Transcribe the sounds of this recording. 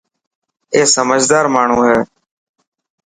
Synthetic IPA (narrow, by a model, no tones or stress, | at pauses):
eːsəməd͡ʒʱd̪aːɾmaːɳ̤ũːɦeː